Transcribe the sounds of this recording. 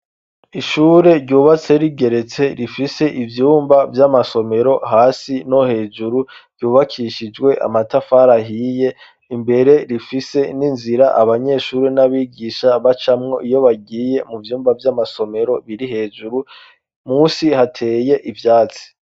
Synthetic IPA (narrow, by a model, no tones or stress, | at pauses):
iʃuːɾe̞ɾɟuːβat͡se̞ɾiɡe̞ɾe̞t͡se̞ɾifise̞ʔivjuːmbavjamaso̞me̞ɾo̞ɦaːsino̞he̞ːd͡ʒuɾuɾɟuːβakʰiːʃid͡ʒwe̞ʔa̰matafaɾaɦiːje̞ | imbe̞ɾe̞ɾifise̞ninziɾaʔaβaɲe̞ʃuːɾenaβiːɡiʃaβat͡ʃamŋo̞̰ʔijo̞βaɡiːje̞muvjuːmbavjamaso̞me̞ɾo̞βiɾiɦe̞ːd͡ʒuɾu | muːsihatʰe̞ːje̞ʔivjaːt͡si̥